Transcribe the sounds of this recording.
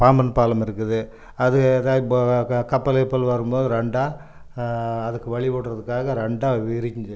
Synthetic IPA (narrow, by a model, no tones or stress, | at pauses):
paːmbɐnpaːlɐmɪɾɯkːɯðɯ | ɐðɯðaːkɐpːɐlepːɐlʋɐɾɯmboːðɯɾɛɳɖaː | ɐðɯkːɯʋɐɭɪʋoːɽɾɐðɯkːaːɣɐɾɛɳɖaːʋɪɾɪɲd͡ʒɯ